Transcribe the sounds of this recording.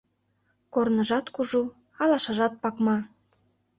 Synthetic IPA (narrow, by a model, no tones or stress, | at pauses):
kornə̆ʒɑt̪kuʒu | ɑlɑʃɑʒɑt̪̚pɑkmɑ